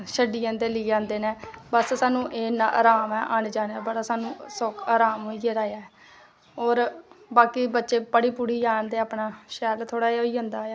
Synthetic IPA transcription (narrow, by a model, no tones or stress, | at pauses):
ʃəɖiːãːnd̪eːliːd͡ʒãːnd̪eːneːbəssaːnũːʔeːnaa̰ːɾaːmɛːʔənd͡ʒãːnaːbəɽaːsaːnũːsokaːɾaːmɦoiːeːɾaːjaːɛː | oːɾbaːkiːbətːʃeːpəɽiːpuːɽiːd͡ʒaːnd̪eːaːpɳaːʃɛːlt̪ʰoːɽaːiːoːiːɦʊ̃nd̪aːjaː